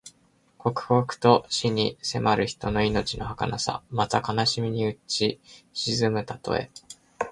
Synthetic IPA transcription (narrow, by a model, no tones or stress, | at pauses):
kʰo̞kɯ̟̥kokɯ̟̥t̪o̞ɕiɲ̟ise̞mʔaɾɯ̟çi̥t̪o̞no̞ino̞t͡ɕino̞haka̰nasa̰mat̪akanaɕimʲiɲ̟iɯ̟t͡ɕiɕizɨmɯ̟t̪at̪o̞̰e̞̰